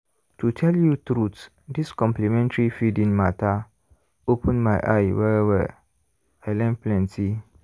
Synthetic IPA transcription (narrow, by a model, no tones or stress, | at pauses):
tʰutʰɛljutɾut | diskɔ̃mplimɛ̃ntɹifidĩŋmatʰa | opʰə̃nmãɪʔa̰ɪwɛɹɛvə̰ | ɛlɛ̃nplɛ̃ntʰi